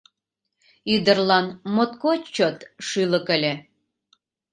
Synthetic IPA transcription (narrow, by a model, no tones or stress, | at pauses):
yd̪ərlɑnmot̪kot͡ɕot̪ʃyləkəlʲe